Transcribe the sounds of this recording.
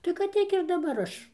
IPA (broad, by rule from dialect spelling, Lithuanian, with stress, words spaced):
tɐɪ kɐt ˈtʲiɛk ɪr dɐˈbɐr ˈɐʃ